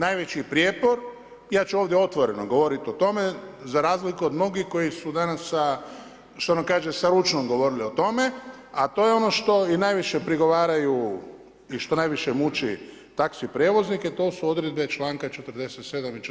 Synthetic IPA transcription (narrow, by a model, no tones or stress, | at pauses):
najʋe̞t͡ɕipɾjeːpoɾ | jaːt͡ʃuoʋd̪jeo̞t̪ʋo̞ɾe̞noɡo̞ʋo̞ɾit̪io̞t̪o̞mezaɾaːzlikuod̪mno̞ɡihko̞jisud̪anasːa | ʃt̪onamkaːʒesaɾut͡ʃnomɡo̞ʋo̞ɾiliot̪o̞me̞at̪oːjeo̞no̞ʃt̪o̞inajʋiʃe̞pɾiɡo̞ʋaːɾaju | iʃt̪o̞najʋiʃemut͡ʃi | t̪aksipɾjeːʋo̞zniket̪o̞ːsuo̞d̪ɾed̪̚be̞t͡ʃlaːŋkat͡ʃe̞t̪ər̩d̪e̞set̪se̞d̪amit͡ʃ